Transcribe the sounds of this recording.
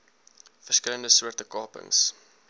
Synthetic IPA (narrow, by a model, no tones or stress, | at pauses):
fərskələndəsuətəkɑːpə̰ŋs